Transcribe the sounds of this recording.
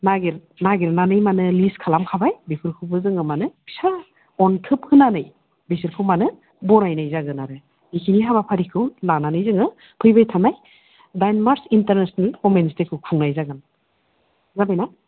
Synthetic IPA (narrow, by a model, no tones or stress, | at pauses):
naɡiɾ | naɡiɾnanɯjmanɯliskʰalamkʰabajbepʰɯɾkʰɯbɯzɯŋɯmanɯsa | ɔnkʰɯp̚hɯnanɯj | besiɾkʰɯwmanɯ | bɔɾajnajzaɡɯnaɾɯ | ikʰiniɦaβapʰaɾikʰɯwlananɯjzɯŋɯ | pʰɯjbajtʰanaj | dajnmaɾsintaɾnesnalkomenstekʰɯwkʰuŋnajzaɡɯn | zabajna